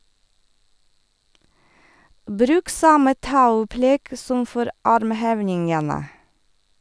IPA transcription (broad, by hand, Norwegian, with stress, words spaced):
ˈbɾʉːk ˈsɑmə ˈtɑʉplɛɡ ˈsɔm ˈfɔɾ ˈɑɾmˌheːʋnɪŋənə